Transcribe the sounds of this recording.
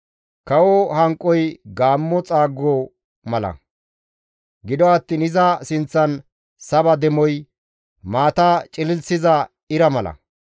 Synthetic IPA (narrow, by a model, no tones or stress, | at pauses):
kɐwɔhɐŋkʼːɔjɡaːmːɔt͡sʼaːɡːɔ | mɐlɐ̰ | ɡɪd̪ɔɐt̪ːiːnɪzɐsɪnt͡sːɐn | sɐbɐd̪ɛmɔj | maːt̪aːt͡ʃʼɪlɪlsɪzɐ | ɪɾɐmɐlɐ̰